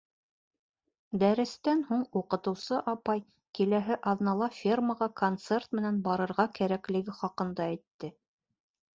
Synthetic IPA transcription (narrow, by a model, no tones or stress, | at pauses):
d̪æɾɘ̆st̪ænhuɴuqɤ̆t̪ɤ̆wsɤʔɑpɑj | kilæɦɘʔɑðnɑlˠɑfʲirməʁɑkont̪se̞rt̪mɘ̆nænbɑɾɤ̆ɾʁɑkæɾæklɘ̆ɡɘχɑqɤ̆nd̪ɑæjt̪ːɘ